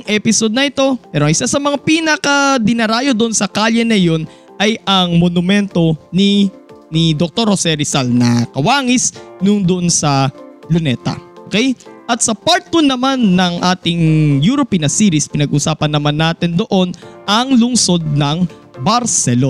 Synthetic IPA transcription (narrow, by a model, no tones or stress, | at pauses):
ŋʔɛpɪso̞d̪̚nɐʔɪt̪o̞pɛːɾoɐŋɪsasɐmɐŋapiːnɐkɐd̪ɪnɐɾaːjo̞d̪oʔonsɐkaʎɐnɐjo̞n | ʔɐjʔɐŋmonʊmɛnt̪o̞ninid̪ok̚t̪o̞ɾhosɛɾisalnɐkɐwaːŋɪsnʊŋd̪oʔonsɐlʊnɛt̪ɐ̰ʔokɛjʔɐt̪̚sɐpaɾt̪ʊnɐmanːɐŋʔaːt̪ɪŋjuɾopinɐsiːɾispɪnɐɡʔʊsaːpɐnːɐmanːaːt̪ɛnd̪o̞ʔo̞nʔɐŋlʊŋso̞d̪̚nɐŋ | bɐɾsɛlo